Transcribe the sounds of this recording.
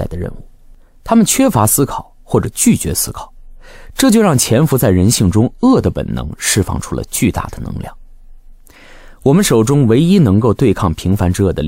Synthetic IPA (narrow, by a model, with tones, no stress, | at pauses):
a˥˩ɪd̪ə˩ɻə̰˥˧nu˥˩ | t̪ʰa˥mə˨nt͡ɕʰɥɛ˥fa˧˥sɹ̩˥kʰɑ˨˩˦ʊxwɔ˥˩ʈ͡ʂɤ˨˩t͡ɕy˥˩t͡ɕɥɛ̰˧˥sɹ̩˥kʰɑ̥˨˩˦ʊʈ͡ʂɤ˥˧˩t͡ɕjo˥˧ʊɻɑ˥˩ŋt͡ɕʰjɛ˧˥nfu˧˥t͡sa˥˩ɪɻə˧˥nɕi˥˩ŋʈ͡ʂʊ˥ŋɤ˥˩d̪ə˩pə̰˨˩nnɤ̰˧˥ŋʂɻ̩˥˧fɑ̰˥˩ŋʈ͡ʂʰu̥˥lə̰˧t͡ɕy˥˧t̪a̰˥˩d̪ə˩nɤ̰˧˥ŋljɑ̰˥˩ŋ | wɔ˨˩mə˦nʂo˨˩ʊʈ͡ʂʊ˥ŋwe˧˥ɪi˥nɤ˧˥ŋko˥˧ʊt̪we˥˧ɪkʰɑ˥˩ŋpʰi˧˥ŋfa˧˥nʈ͡ʂɻ̩˥ɤ˥˩d̪ə̰˩l